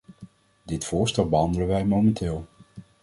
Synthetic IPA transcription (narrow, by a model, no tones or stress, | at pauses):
dɪtfʊːɹstɛlˠbəɦɑndələnʋɛjmomɛntɪːlˠ